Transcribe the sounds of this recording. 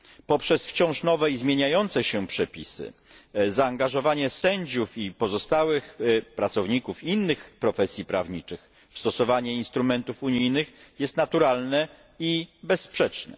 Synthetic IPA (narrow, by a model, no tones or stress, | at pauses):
pɔpʂɛsft͡ɕɔ̃w̃ʂnɔvɛizmʲjeɲajɔnt̪sɛɕɛpʂɛpʲisɘ̰zaːŋɡaʐɔvaɲɛsɛɲd͡ʑufipɔzɔst̪awɘxpɾat̪sɔvɲikufinːɘxpɾɔfɛsʲjipɾa̰vɲit͡ʂɘx | fst̪ɔsɔvaɲɛinst̪ɾumɛnt̪ufuɲijnɘxjɛst̪nat̪uɾalnɛ | ibɛsːpʂɛt͡ʂnɛ̰